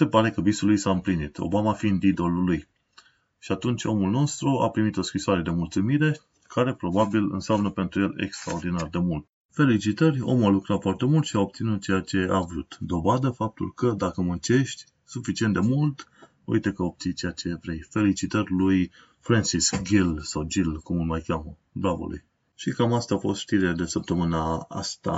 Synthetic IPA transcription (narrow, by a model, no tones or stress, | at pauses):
se̞paɾe̞kəbisulujsaɨmplinit̪ʰo̞̰bamaːfiɨnd̪id̪o̞luluj | ʃiat̪unt͡ʃʲo̞mulno̞st̪ɾua̰pɾimit̪o̞skɾisoaɾe̞d̪e̞mult̪sumiɾe̞ | kʰaɾe̞pɾo̞babilɨ̰nsamnəpe̞nt̪ɾuje̞lḛkst̪ɾa̰o̞rd̪inard̪e̞mult̪ | fe̞lit͡ʃit̪ərʲo̰mualukɾat̪foart̪e̞mult̪ʃiaob̚t̪sinut̪̚t͡ʃejat͡ʃe̞avɾut̪d̪o̞vad̪əfap̚t̪ulkəd̪akəmunt͡ʃe̞ʃt̪ʲ | sufit͡ʃient̪d̪e̞mult̪ | ṵjt̪ekəob̚t̪sijt͡ʃejat͡ʃe̞vɾejfe̞lit͡ʃit̪ərʲluj | fɾansiskɡilsawd͡ʒilkumɨlmajkʲjamə | d̪abo̰lṵj | ʃikamast̪aːfo̞st̪ʃt̪iɾiled̪e̞səp̚t̪əmɨnaa̰st̪a̰